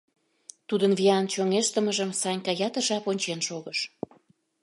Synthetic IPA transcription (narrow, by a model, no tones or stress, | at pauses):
t̪ud̪ənviɑnt͡ɕoŋeʃt̪ə̆məʒəmsɑnʲkɑjɑt̪əʒɑponʲt͡ɕenʃoɣəʃ